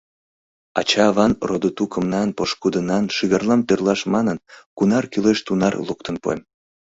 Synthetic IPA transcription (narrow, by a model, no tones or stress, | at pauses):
ɑ̰t͡ɕɑːβɑnrod̪ot̪ukəmnɑnpoʃkud̪ənɑnʃiɣɑrlɑmt̪ørlɑʃmɑnənkunɑrkyleʃt̪unɑrluk̚t̪ənpo̰m